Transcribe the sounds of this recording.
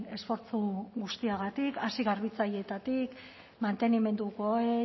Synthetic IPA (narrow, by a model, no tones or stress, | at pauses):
e̞sfo̞ɾt͡suɣust̪iaɣat̪ikasiɣaɾβit͡saje̞t̪at̪ik | mant̪e̞nime̞nd̪uko̞e